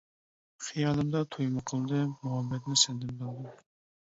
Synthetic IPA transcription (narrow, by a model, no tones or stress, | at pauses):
χijɑːlˠɨmd̪ɑt̪ʰojmɨqʰəlˠd̪ɨmuhɛbːɛt̪nɪsɛnd̪ɪmd̪ɨlˠd̪ɨ